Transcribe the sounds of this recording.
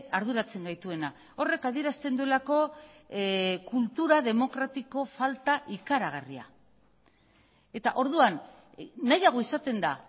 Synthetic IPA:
aɾðuɾat͡se̞ŋɡajt̪ue̞na | o̞re̞kaðie̞ɾast̪e̞nd̪ue̞lako̞ | kult̪uɾaðe̞mo̞kɾat̪iko̞falt̪aʔikaɾaɣ̞aria̰ | e̞t̪aʔo̞ɾðuanː | ajaɣ̞o̞isat̪e̞nd̪a

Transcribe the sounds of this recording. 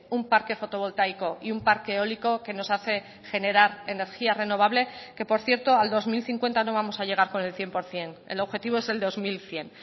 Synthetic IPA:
umpaɾke̞fo̞t̪o̞β̞o̞lt̪ajko̞iumpaɾkeo̞liko̞ke̞no̞saθe̞ | xe̞ne̞ɾaɾe̞ne̞ɾxiare̞no̞β̞aβle̞ke̞po̞ɾθje̞ɾt̪o̞ald̪o̞zmilθiŋkwe̞nt̪ano̞β̞amo̞saʎe̞ɣ̞aɾko̞ne̞lθje̞mpo̞ɾθje̞nḛlo̞βxe̞t̪iβ̞o̞e̞ze̞ld̪o̞zmilθje̞n

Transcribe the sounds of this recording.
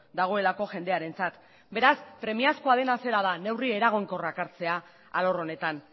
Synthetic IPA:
d̪aɣ̞o̞e̞lako̞ʝe̞nd̪e̞aɾe̞nt͡sat̪ | be̞ɾaspɾe̞miasko̞aðe̞nase̞ɾað̞ane̞wrie̞ɾaɣ̞oŋko̞rakaɾt͡se̞a | alo̞ro̞ne̞t̪an

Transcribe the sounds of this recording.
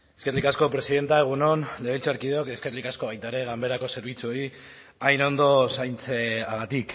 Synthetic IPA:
eskerlikasko̞pɾe̞siðe̞nt̪ae̞ɣ̞uno̞nle̞βelt͡saɾkið̞eoke̞skerlikasko̞βajt̪aeɾe̞ɣambe̞ɾako̞se̞ɾβ̞it͡suoi | ajno̞nd̪o̞sajnt͡seaɣat̪ik

